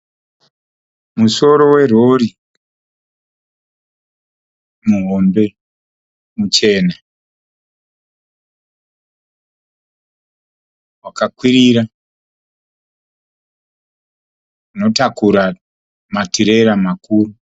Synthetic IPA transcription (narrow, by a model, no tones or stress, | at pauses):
muso̞ɾo̞we̞ro̞ɾi | muɦombe̞ | mut͡ʃe̞na | wakakwiɾiɾa | uno̞takuɾa | matiɾe̞ɾamakuːru